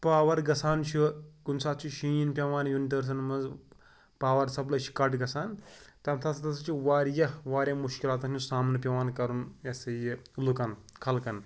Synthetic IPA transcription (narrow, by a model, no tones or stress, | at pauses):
paːʋɐɾɡɐsaːnt͡ʃʰikunsaːt̪̚t͡ʃʰiʃĩːjinpʲɐʋaːnjuniʈ̪ɐːɾs̬ɐnmɐnz | paːʋɐɾsɐblɐt͡ʃʰi̥kɐʈɡɐsaːnt̪ɐmt̪ʰɐsʰɐt̪ɐsɐt͡ʃʰiʋaːɾjɐʋaːɾʲjɐmuʃkilaːt̪̬ɐt͡ʃusaːmnɨp̬ʲɐʋaːnkɐɾunjɐsɐjilukɐnkʰɐlkɐn